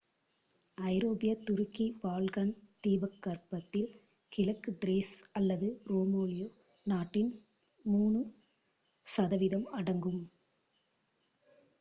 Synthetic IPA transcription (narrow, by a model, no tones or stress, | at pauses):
ɐɪɾoːbɪjɐt̪ːʊɾɯkːibaːlɣɐnt̪iːbɐkːɐɾpɐt̪ːɪl | kɪlɐkːɯdɾeːsɐlːɐðɯɾoːmoːlɪjoː | naːʈːɪn | muːɳɯ | sɐðɐʋɪðɐmɐɽɐŋɡɯm